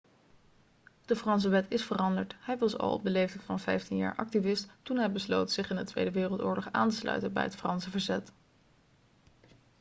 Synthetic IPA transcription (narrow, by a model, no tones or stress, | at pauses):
d̥əfrɑns̬əʋɛtɪsfərɑndəɹtɦɛjʋɑsɑ̰lˠɔ̰b̚dəlejftɛjtfɑnvɛjftinja̰ːɹʔɑ̰k̚tivɪsttunɦɛjbəslowtsɪχɪndətʋḛjdəʋɪːrəlˠtʊ̰ːɹlɔχaːntəslœ̰ɥtənbɛ̰jɦətfrɑnsəvəɹzɛt